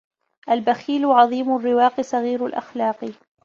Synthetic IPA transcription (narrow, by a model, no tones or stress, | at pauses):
ʔalbaxiːlʕɑðˤiːmʊrːɪwɑːqisˤɑɣiːɾalʔa̰xlɑːq